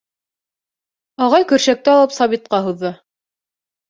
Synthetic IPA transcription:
ɑʁɑjkɵ̆ɾʃæk̚t̪ɘɑlˠɤpsɑβit̪̚qɑɦuðːɤ

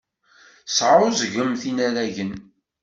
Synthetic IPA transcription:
sʕʊzʝəmθinæɾæʝən

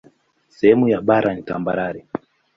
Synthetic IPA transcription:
sɛhɛmujaɓaɾanita̰mbaɾaɾi

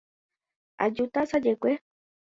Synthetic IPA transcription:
a̰d͡ʒut̪asad͡ʒekʷe

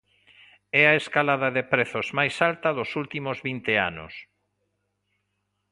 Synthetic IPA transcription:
ɛɐeskalaðɐðepɾɛθʊzmajsalt̪ɐðʊsult̪imʊzβint̪ea̰nʊ̰s

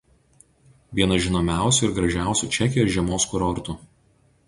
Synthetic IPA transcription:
ʋʲiɛnɐʒʲɪnoːmʲæˑʊsʲʊɪɾɡɾɐʒʲæˑʊsʲuˑt͡ʃʲɛkʲɪjoːsʒʲiɛmoːskʊɾɔɾt̪u

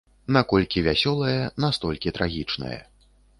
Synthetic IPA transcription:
nakɔlʲkʲivʲasʲɔlˠɐjɛnast̪ɔlʲkʲit̪ɾaɣʲit͡ʂnɐ̰jɛ̰

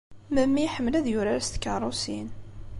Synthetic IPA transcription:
məmːiħəmːəlæðjʊɾaɾst̪kːərˤʊsḭn

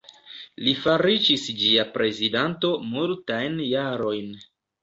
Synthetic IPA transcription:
lifaɾid͡ʒisd͡ʒiapɾʔe̞zidanto̞multajnjaɾo̞jn

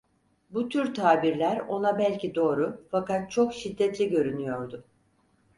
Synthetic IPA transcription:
but̪ʰyɾt̪ʰaːbiɾlʲæɾo̞nabælʲcʰid̪o̞ːɾufakat̪̚t͡ʃʰo̞kʃid̪ːɛt̪lʲiɟø̞ɾynyjo̞ɾd̪ʊ

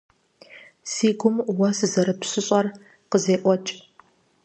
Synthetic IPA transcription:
siːɡʷʊmwɐsɨzɐɾɨpɕɨɕʼɐr | qəzeːʔʷɔt͡ʃʼ

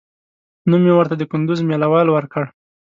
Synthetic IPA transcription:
numjewəɾt̪ad̪əkʊnd̪ʊzmelawɑlwəɾkəɽ

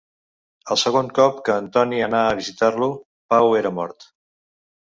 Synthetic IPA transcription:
əlˠsəɣ̞oŋkɔpkəːnt̪ɔniənaəβ̞izit̪arlu | paweɾəmɔ̰ɾt̪

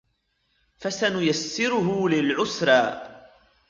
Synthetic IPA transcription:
fasanʊjasːɪɾʊɦʊlɪlʕʊsɾˤɑː

